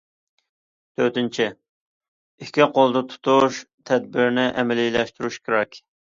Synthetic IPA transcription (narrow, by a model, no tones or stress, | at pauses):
t̪ʰøɾt̪ɪnt͡ʃʰɪ | ɪkʲːiqʰolˠd̪ɨt̪ʰu̥t̪ʰuʃ | t̪ʰɛd̪̚bɪɾnɪʔɛmɛlɪlɛʃt̪uɾuʃkʲʰɪɾɑkʲ